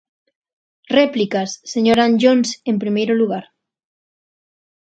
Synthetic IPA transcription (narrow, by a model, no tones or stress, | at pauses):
replikasːeɲoɾanʎonse̞mpɾimejɾoluɣ̞aɾ